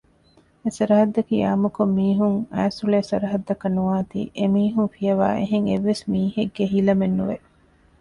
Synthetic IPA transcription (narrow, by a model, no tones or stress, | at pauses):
esɐɾɐɦɐd̪ːɐkḭːaːmukomːiːɦuŋæːsulesɐɾɐɦɐd̪ːɐkɐnuaːt̪ḭːʔemiːɦuŋfijɐʋa̰ːʔeɦeŋeʋːesmiːheɡːeɦilɐmenːuʋe